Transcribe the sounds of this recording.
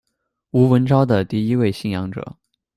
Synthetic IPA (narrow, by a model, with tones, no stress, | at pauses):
u˧˥wə˧˥nʈ͡ʂɑ˥ʊd̪ə˨t̪i˥˩i˥we˥˧ɪɕi˥˩njɑ˧˥ŋʈ͡ʂɤ̰˨˩˦